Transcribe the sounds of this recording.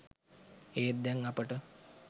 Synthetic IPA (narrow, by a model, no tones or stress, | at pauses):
eːt̪̚d̪æŋːɐpəʈə